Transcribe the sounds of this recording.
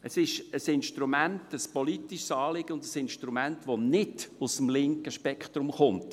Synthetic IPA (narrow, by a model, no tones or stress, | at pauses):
əsɪʃəsɪnʃtrumæntəspɔlitiʃsɑːlɪɡ̥əʊndəsɪnʃtɾumæntʋonɪdʊsəm̩lɪŋkəʃpɛkχt̪ɾʊmχʊmt